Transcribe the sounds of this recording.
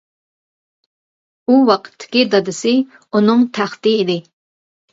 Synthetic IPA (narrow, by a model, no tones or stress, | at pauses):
uwɑqʰə̥t̪ʰːɪ̥kʲid̪ɑd̪ɪsɪ | unɨŋt̪ʰæχt̪ɨːd̪ɪ